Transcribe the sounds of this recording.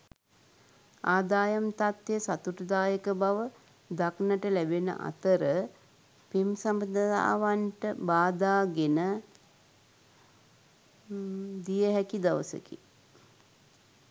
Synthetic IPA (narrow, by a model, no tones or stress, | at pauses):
aːd̪aːjamt̪at̪ːesat̪uʈəd̪aːjəkəbaʋə | d̪aknəʈəlæbenə̰ʔa̰t̪əɾə | pemsambəd̪əa̰ːʋanʈəbaːd̪aːɡenə | d̪ijəɦɛkid̪aʋəsə̰kḭ